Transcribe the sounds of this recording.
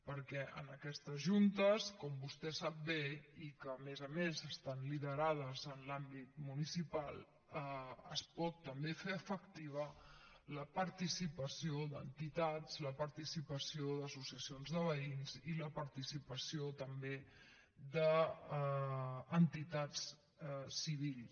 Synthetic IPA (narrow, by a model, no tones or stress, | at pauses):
pəɾkɛʔə̰nəkɛst̪əzʒunt̪əskɔmbust̪ɛsap̚beikəːmezəmezəst̪anliðəɾað̞əzənlambit̪̚munisipalˠ | əə̰spɔt̪ːəmbefeəfəkt̪iβə | ləpəɾt̪isipəsioðə̰nt̪it̪az̥ləpəɾt̪isipəsioðəsusiəsionzðəβ̞əinziləpəɾt̪isipəsiot̪əmbe | d̪ə | nt̪it̪at͡s | siβ̞il